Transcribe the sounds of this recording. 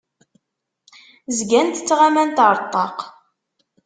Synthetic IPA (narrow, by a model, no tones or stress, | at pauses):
zɡænt̪ət͡sːʁamænt̪əɾˤt̪ˤːɑq